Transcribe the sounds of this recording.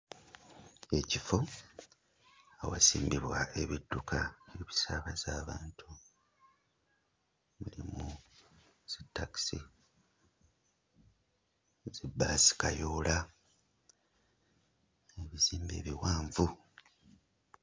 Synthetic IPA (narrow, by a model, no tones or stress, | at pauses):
e̞cifo | awa̰sḭːmbiβwae̞βidːukae̞βisaβazaːβaːntʰu | mulimu | z̥itːaki̥sḭ | z̥ibːaːsi̥kajoːla | eβiziːmbe̞̰ːβiwaːɱvu